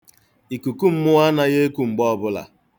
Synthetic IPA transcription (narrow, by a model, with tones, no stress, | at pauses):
i˨ku˨ku˦m̩˦mʊ˦a˦na˦ɣe˦e˦ku˨ŋ͡m̩˨ɡ͡bɔ˦bʊ˦la̰˨